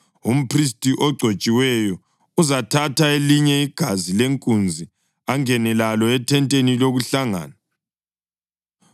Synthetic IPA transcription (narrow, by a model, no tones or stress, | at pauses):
um̩pʰris̬tʼiʔɔɡ͡ǀʱot͡ʃʼiwɛjɔ | uzatʰatʰaeliɲɛiɡ̥ʱazileŋkʼund͡zʱi | aŋɛnɛlalɔɛtʰɛntʼeniloɣuɬaŋa̰ːna